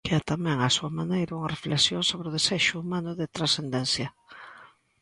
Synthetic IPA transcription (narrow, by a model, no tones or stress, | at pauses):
keat̪amɛ̃ŋasuɐmanejɾauŋɐrefleksjoŋsoβɾɪʊðesɛʃʊumãnʊðɪt̪ɾasθend̪ɛn̟θjɐ